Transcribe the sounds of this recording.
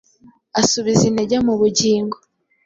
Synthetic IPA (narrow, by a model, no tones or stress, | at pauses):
asuβizineɟamuβuɟiːŋɡo